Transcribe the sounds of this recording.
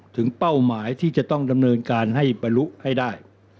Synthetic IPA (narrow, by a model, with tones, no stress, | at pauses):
t̪ʰɯ˩˦ŋpa˥˩wmaː˩˦jt̪ʰiː˥˩t͡ɕa˨˩ʔt̪ɔ˥˩ŋda˧mnɤː˧nkaː˧nɦa˥˩jba˧nlu˦˥ʔha˥˩jdaː˥˩j